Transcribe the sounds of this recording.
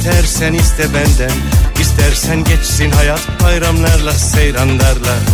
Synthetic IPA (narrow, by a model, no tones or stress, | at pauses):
t̪ʰɛɾsɛnist̪ʰɛbænd̪ænist̪ʰæɾsɛnɟɛt͡ʃsinɦɑjat̪ʰbɑjɾamlˠɑɾlˠasejɾand̪ɑɾlˠaɾ